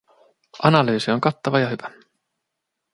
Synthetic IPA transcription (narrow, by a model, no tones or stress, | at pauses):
ʔɑnɑlyːsio̞ŋkɑt̪ːɑʋɑjɑhyʋæ